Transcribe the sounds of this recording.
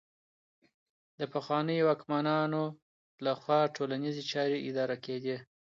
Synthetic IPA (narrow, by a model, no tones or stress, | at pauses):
d̪əpaxwɑnəjwɑkmanɑno | laxwɑʈʰolanizit͡ʃɑɾeʔɪd̪ɑɾaked̪i